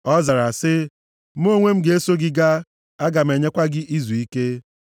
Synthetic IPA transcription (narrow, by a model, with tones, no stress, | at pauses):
ɔ˦za˨ɾa˨sɪ˦ | m̩˦o˦ŋʷe˦m̩˦ɡe˦so˦ɡɪ˦ɡa˦ | a˦ɡa˨m̩e˨ɲe˦kʷa˦ɡɪ˦ʔi˦zu˨i˦ke˦